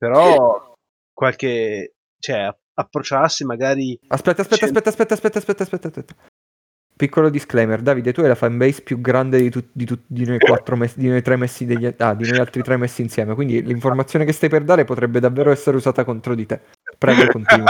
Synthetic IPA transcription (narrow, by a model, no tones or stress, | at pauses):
peɾɔ | kwalke | t͡ʃoɛa | apːɾot͡ʃasːimaɡaːɾiaspɛt̪ːaspɛt̪ːaspɛt̪ːaspɛt̪ːaspɛt̪ːaspɛt̪ːaspɛt̪ːasp̪ːɛt̪ːa | pikːolod̪isklejmerd̪aːvid̪et̪ːuɛjlafambɛjspjuɡɾand̪ed̪it̪ud̪it̪ud̪inojkwat̪ːɾomɛsd̪inojt̪ɾemːɛsːid̪eʎːaad̪inojalt̪ɾit̪ɾemːɛsːiːnsjɛːmekwind̪iliɱformat̪sːjoːnekest̪ajperd̪aːɾepot̪ɾɛbːed̪avːeːɾoɛsːeɾeuzaːt̪akont̪ɾod̪it̪e | pːɾɛːɡokont̪iːnw